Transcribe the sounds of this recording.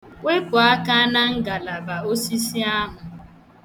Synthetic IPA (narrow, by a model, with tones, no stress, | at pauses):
wɪ˦pʊ˨a˦ka˦na˦ŋ̩˦ɡa˨la˨ba˨o˦si˦si˦a˦ɦʊ˨